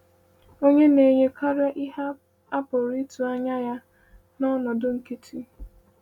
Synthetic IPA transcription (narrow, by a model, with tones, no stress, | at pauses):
o˦ɲe˦ne˨ɲe˦kʰa˦ɾa˦ʔi˦ɦa˦ | a˦pʊ˨ɾi˦tu˨a˦ɲa˦ja˦ | nɔ˦nɔ˨dʊ˦ŋ̩˨ki˦tʰi˦